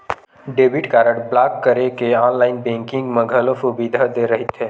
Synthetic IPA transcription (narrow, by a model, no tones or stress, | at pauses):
ɖeːbɪʈkaːɾəʈblaːkːəɾekeɔːnlaːɪnbɛ̃ːŋkɪ̃ŋɡmə̃ɡʱəlõfubid̪ʱad̪eɾɐɦit̪ʰeː